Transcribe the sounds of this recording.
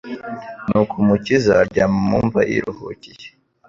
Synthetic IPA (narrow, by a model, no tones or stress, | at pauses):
nukʰumucizaɟamumuɱvaʔḭɾuhṵcije̥